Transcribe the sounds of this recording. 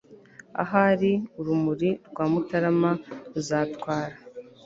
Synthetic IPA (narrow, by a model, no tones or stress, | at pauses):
a̰ɦaɾiuɾumuɾiɾɡwaːmutaɾamaɾuzaːtkwaːɾa